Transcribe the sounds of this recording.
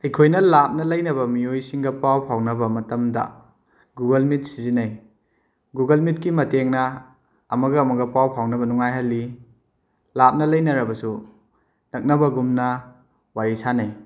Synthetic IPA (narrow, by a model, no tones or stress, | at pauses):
ɐjkʰojnɐlap̚nɐlɐjnɐbɐmijojsiŋɡɐpawpʰawnɐbɐmɐtɐmdɐ̰ | ɡuɡɐlmit̚sizinɐj | ɡuɡɐlmit̚kimɐteŋnɐ | ɐmɐɡɐːmɐɡɐpawpʰawnɐbɐnuŋajɦɐlːi | lap̚nɐlɐjnɐɾɐbɐsu | nɐk̚nɐbɐɡumnɐ | waɾisanɐj